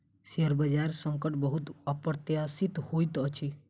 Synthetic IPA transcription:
siəɾbəd͡ʒaɾsəŋkəʈbəɦut̪əpɾt̪jasit̪hojt̪ʌt͡ʃʰi

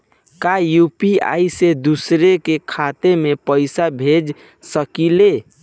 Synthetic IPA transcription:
kajupia̰ised̪usɾekekʰat̪emepəɪsabʱed͡ʒ | səkile

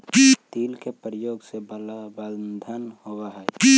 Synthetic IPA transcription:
t̪ilkepɾjoɡseblbəld̪ʱənhowaɦɛ

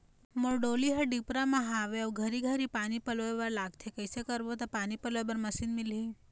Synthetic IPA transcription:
moɾɖoliɦəɖipɾamãɦaʋeaʋɡʱəɾiɡʱəɾipanipəlʋebaɾlaɡ̚t̪ʰekəjsekəɾʋot̪apanipəlʋebəɾməsinmilɦi

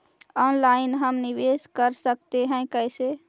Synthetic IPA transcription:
ɔnlaɪnɦəmniʋeskəɾsək̚t̪eɦɛ̃kəɪse

